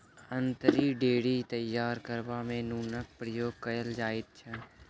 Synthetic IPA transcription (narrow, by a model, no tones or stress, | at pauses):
ə̃nt̪əɾiɖeːɽit̪əjːaːɾkəɾʋamẽnuːnək̚pɾəjoːɡ̚kɐjəld͡ʒaːɪt̪̚t͡ʃʰə